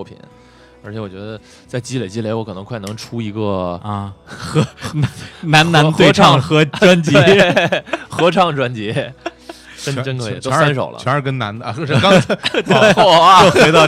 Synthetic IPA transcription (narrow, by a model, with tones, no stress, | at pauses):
ɔ˥˩pʰḭ˨˩n | ə˧˥t͡ɕʰjɛ˧˥wɔ˨˩t͡ɕɥɛ˧˥d̪ə˧ | t͡sa˥˩ɪt͡ɕi˥le˨˧˩ɪt͡ɕi˥le˧˥wɔ˧˥kʰɤ˨˩nɤ˧˥ŋkʰwa˥˩ɪnɤ˧˥ŋʈ͡ʂʰu˥i˧˥ɡə˧ | xɤ˧˥ | na˧˥na˧˥t̪we˥˧ɪ˥ʈ͡ʂʰɑ˥˧ŋxɤ˧˥ʈ͡ʂwa˥nt͡ɕje˧˥ | xɤ˧˥ʈ͡ʂʰɑ˥˩ŋʈ͡ʂwa˥nt͡ɕjɛ˧˥ | ʂə˥nʈ͡ʂə˥nkʰɛ̰˧˩o˥˧ʊswa˧˥nʂ̬o˨˩ʊlə̰˦ɛ˧˥ə˞˧˥˩kə˥nna˧˥n˧˥˩ɑ˥t̪ɔ˨˩˥t̪ɑ˥˧